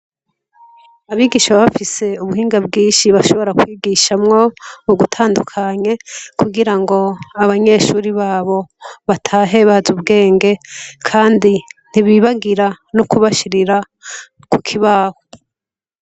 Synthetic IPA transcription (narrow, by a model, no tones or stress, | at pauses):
aβiːɡiːʃaββafise̞uβuhiːŋɡabɡiːnʃiβaʃo̞βo̞ɾakwiːɡiʃamŋo̞uɡutʰaːndukʰaɲe̞kʰuɡiɾaŋɡo̞aβaɲe̞ʃuːɾiβaːβo̞βatʰaːɦe̞βazubɡe̞ːŋɡe̞kʰaːndin̥iβiβaɡiɾa | nukuβaʃiɾiɾa | kukʰiβaːho